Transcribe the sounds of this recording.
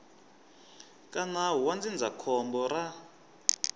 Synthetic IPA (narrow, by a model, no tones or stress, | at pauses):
kʼanaɦuwand͡zind͡zakʰɔmbɔɾa